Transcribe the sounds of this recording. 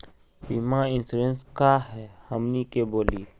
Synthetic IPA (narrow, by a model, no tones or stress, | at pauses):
bimãɪ̃nsuɾẽnskaɦɛːhəmnikeboːliː